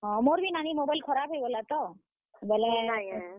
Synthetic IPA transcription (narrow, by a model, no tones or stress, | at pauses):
ɦɔ̃moɾbʱinanimobajlkʰɔɾabʱɦejbolat̪ɔ | bɛlɛ